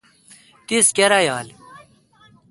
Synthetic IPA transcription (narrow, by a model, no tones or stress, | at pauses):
t̪iskeɾajaːl